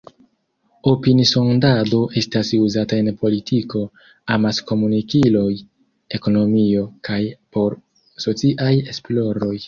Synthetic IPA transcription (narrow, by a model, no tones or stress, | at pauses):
opiniso̞ndado̞ʔe̞stasuzatae̞npo̞litʰiko̞ | amasko̞munikilo̞j | e̞ko̞no̞mio̞kʰajpo̞ɾ | so̞t͡siʔaje̞splo̞ɾo̞j